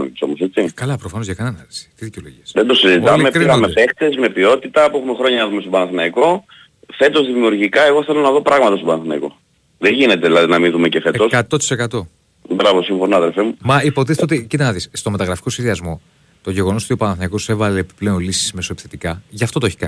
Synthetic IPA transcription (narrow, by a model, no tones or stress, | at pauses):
iso̞mose̞t͡sikɐlɐpɾofɐnozʝɐkɐnenɐlisi̥t̪iðiceolo̞̰ʝiɐsðed̪osizit̪ɐlmeɾɣɐmepe̞kt̪e̞zme̞pio̞t̪it̪ɐpuexumexɾo̞ɲɐnɐðumest̪obɐnɐθinɐiko̞ | fe̞t̪o̞zðimiuɾʝikɐe̞ɣo̞θe̞lonɐðo̞pɾɐɣmɐt̪ɐst̪opɐnɐθinɐ̰iko̞̰ | ðeʝine̞t̪e̞ðilɐðinɐmiðumecefe̞et̪o̞skɐt̪ot̪i̥sekɐt̪o̞ | bɾɐvo̞siɱfo̞noɐðelfemumɐipot̪ist̪eot̪icit̪ɐnɐðisst̪o̞me̞t̪ɐɣɾɐfi̥ko̞sçeðiɐzmo̞ | t̪o̞ʝe̞ɣo̞noot̪o̞pɐnɐθinɐiko̞se̞vɐle̞ːpi̥ple̞o̞nlisi̥sme̞so̞epi̥θet̪ikɐʝɐft̪o̞t̪oeçi̥kɐ̰ni